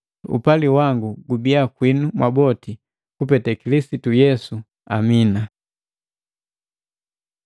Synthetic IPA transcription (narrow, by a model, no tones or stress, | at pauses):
ṵpaliwaŋɡuɡubiakwinumwabɔti | kupɛtɛkilisitujɛsu | amina